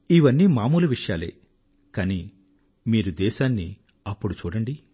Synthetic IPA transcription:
iʋɐnːimaːmuːlɐʋiʂjaːlḛː | kaːni | miːɾud̪ɛːʃaːnːḭ | ɐpːuɽut͡ʃuːɽɐɳɖi

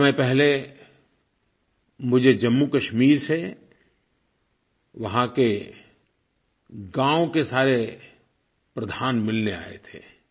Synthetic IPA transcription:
mepɛɦle | mʊd͡ʒʱed͡ʒɐmːukɐʃmiːɾse | ʋɐɦãke | ɡãːõkesaːɾe | pɾɐd̪ʱaːnmɪlnea̰ːḛt̪ʰḛː

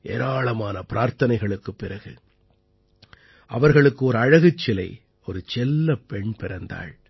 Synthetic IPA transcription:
ʔeːɾaːɭɐmaːnɐpɪɾaːɾt̪ɐnɐɪɣɐɭɯkːɯpːɪɾɐɣɯ | ʔɐʋɐɾɣɐɭɯkːɯɔɾɯɐɻɐɣɯt͡ʃːɪlɐɪ | ɔɾɯt͡ʃɛlːɐpɛɳpɪɾɐnd̪a̰ːɭ

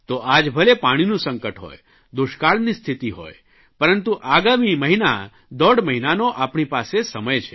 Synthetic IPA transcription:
t̪oʔad͡ʒbʱəlepaɽ̃inũsə̃ŋkəʈɦo̰j | d̪uʃkaɭnist̪ʰit̪iɦo̰j | pəɾənt̪uʔaɡamiməɦina̰ | d̪ɔɽməɦinanoʔapɳipasesəməjt͡ʃʰe̥

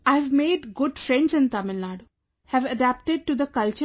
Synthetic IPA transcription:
aɪʋmeːɖɡʊɖfɾɛ̃ɳɖsɪ̃nt̪ɐmɪlːaːɖu | hæʋɐɖæp̚ʈɪɖ̚ʈud̪əkɐlt͡ʃə

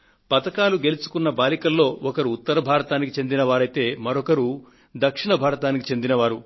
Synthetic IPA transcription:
pɐt̪ɐkaːluɡe̞lut͡ʃu̥kunːɐbaːlikɐlːo̞ːɔkɐɾuːt̪ːɐɾɐbʱaːɾɐt̪aːnikit͡ʃe̞nd̪inɐʋaːɾɐjt̪e̞ːmɐɾɔkɐɾu | d̪ɐkʂiɳɐbʱaːɾɐt̪aːnikit͡ʃe̞nd̪inɐʋaːɾu

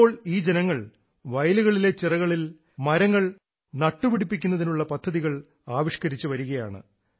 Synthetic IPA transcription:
oːɭiːd͡ʑenɐŋːɐɭ | ʋɐjluɣɐɭile̞t͡ɕirɐɣɐɭil | mɐɾɐŋːɐɭ | nɐʈːɨʋiɽipːikʲːun̪ːɐðinuɭːɐpɐd̪ʱːɐðiɣɐɭ | aːʋiʂkɐɾit͡ɕːɨʋɐɾuɣɐja̰ːɳɨ̰

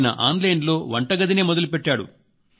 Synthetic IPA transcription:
nɐ̰ʔaːnlɐjɳɖlo̞ːʋɐɳʈɐɡɐd̪ineːmɔd̪ɐlupeʈːaːɽṵ

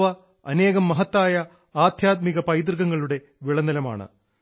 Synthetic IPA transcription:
ʋɐ | ɐne̞ːɣɐmːɐɦɐt̪ːaːjɐ | aːd̪ʱjaːt̪̚miɣɐpɐjt̪̬rɣɐŋːɐɭuɽe̞ | ʋiɭɐnɐlɐma̰ːɳɨ̰

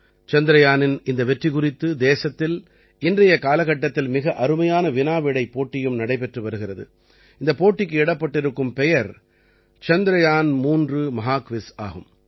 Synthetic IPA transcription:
t͡ʃɐnd̪ɪɾɐjaːnɪnɪnd̪ɐʋɛʈrikʊrɪt̪ːɯd̪eːsɐt̪ːɪl | ɪndrɐjɐkaːlɐɣɐʈːɐt̪ːɪlmɪɣɐʔɐɾɯmɐjaːnɐʋɪnaːʋɪɽɐɪpːoːʈːɪjɯmnɐɽɐɪpɛʈrɯʋɐɾɯɣɪrɐðɯ̰ | ɪnd̪ɐpoːʈːɪkːɯɛɽɐpːɐʈːɪɾɯkːɯmpɛjɐɾ | t͡ʃɐnd̪ɪɾɐjaːnmuːndrɯmɐɦaːkʋɪsa̰ːɣɯm

